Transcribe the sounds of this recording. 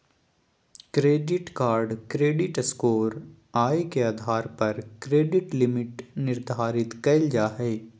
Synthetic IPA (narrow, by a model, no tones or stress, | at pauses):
kɾeːɖɪʈkaːɾɖkɾeːɖɪʈəskoːɾ | aːikeaːd̪ʱaːɾpɐɾkɾeːɖɪʈlɪmɪʈnɪɾd̪ʱaːɾɪt̪kɐɪld͡ʒaːɦɛː